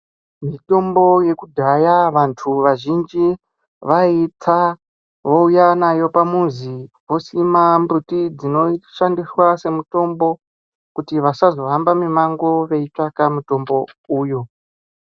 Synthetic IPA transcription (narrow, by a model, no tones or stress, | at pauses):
mito̞mbo̞je̞kudʱajaʋantʰuʋaʒind͡ʒi | ʋait͡sa | ʋo̞ujanajo̞pamuzi | ʋosimambutid͡zino̞ʃandiswase̞muto̞mbo̞ | kutiʋasazo̞ɦambamimaŋɡoʋe̞it͡ʂakamuto̞mbo̞uːjo